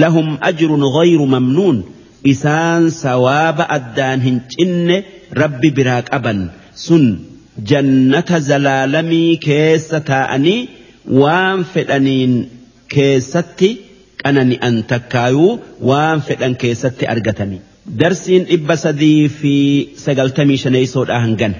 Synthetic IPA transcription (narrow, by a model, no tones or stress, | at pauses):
lɐɦʊmʔɐd͡ʒɾʊnɣɐjɾʊmɐmnuːn | ʔɪsaːnsɐwaːbɐʔɐd̪ːaːnɦɪnt͡ʃʼɪnːɛ | ɾɐbːɪbɪɾaːkʼɐbɐn | sʊn | d͡ʒɐnːɐt̪ɐzɐlaːlɐmiːke̞ːsːɐt̪aːʔɐ̰niː | waːnfɛᶑɐniːŋ | ke̞ːsːɐt̪ːɪ | kʼɐnɐnɪʔɐnt̪ɐkːaːjuːwaːnfɛᶑɐŋke̞ːsːɐt̪ːɪʔɐ̰ɾɡɐt̪ɐnɪ | d̪ɐɾsiːnᶑɪbːɐsɐd̪iːfɪsɐɡɐlt̪ɐmiːʃɐnɐjɪsoːᶑaːhɐŋɡɐnɛ